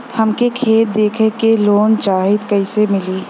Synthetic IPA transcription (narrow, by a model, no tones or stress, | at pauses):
hɐmkekʰeːt̪̚d̪eːkʰekeloːnt͡ʃaːɦɪd̪kɐɪsemɪliː